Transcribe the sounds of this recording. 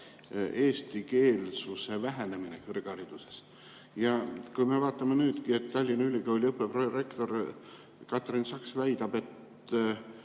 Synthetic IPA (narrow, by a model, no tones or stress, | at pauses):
ʔe̞ːst̪ike̞ːlsuse̞væɦæne̞minekɤrɡ̥ɑɾid̪̥use̞s | jɑkujme̞vɑːt̪ˑːɑmenyːd̪kie̞t̪ːɑlʲːinɑylʲiɡ̥ɑolʲiɤpːˑeprore̞kt̪o̞r | kɑt̪rinsɑksvæjd̪ɑb̥e̞t̪